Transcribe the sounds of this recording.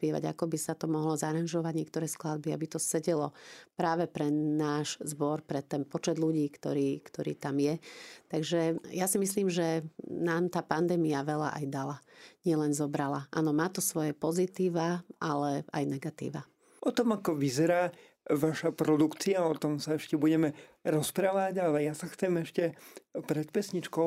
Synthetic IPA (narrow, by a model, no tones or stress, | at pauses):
pɪɛʋa̰ɟa̰kɔbisat̪ɔmɔɦlɔzaɾanʒɔʋaɟɲɪɛk̚t̪ɔɾɛːsklad̪̚bia̰bit̪ɔsɛɟɛlɔpɾaːʋɛpɾɛnaːʒzbɔɾpɾɛt̪ɛnpɔt͡ʃɛd̪luɟiːkt̪ɔɾiːkt̪ɔɾḭːt̪amjɛt̪aɡʒɛjasimis̬liːmʒɛnaːmt̪aːpand̪ɛːmiaʋɛla̰ʔa̰jd̪alaɲɪɛlɛnzɔbɾalaʔa̰ːnɔmaːt̪ɔsʋɔjɛpɔzit̪iːʋaʔalɛa̰jnɛɡat̪ḭːʋa | ɔt̪ɔmakɔʋizɛɾaː | ʋaʃapɾɔd̪ukt͡siaɔt̪ɔmsaɛʃcɛbuɟɛmɛ | ɾɔspɾaːʋaɟalɛjasaxt͡sɛmɛʃcɛpɾɛt̪pɛsɲit͡ʃkɔʊ